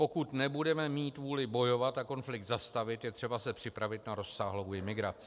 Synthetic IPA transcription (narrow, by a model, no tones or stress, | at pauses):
po̞kut̪nɛbudɛmɛmiːt̪vuːlɪbo̞jo̞vat̪ako̞nflɪk̚t̪zast̪avɪt̪jɛt̪r̥ɛbasɛpr̝̥ɪpɾavɪt̪naɾo̞sːaːɦlo̞wʔɪmɪɡɾat͡sɪ